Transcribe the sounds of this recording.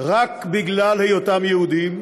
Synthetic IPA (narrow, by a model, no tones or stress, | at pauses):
ʁakbiɡlalhejot̪amjehud̪im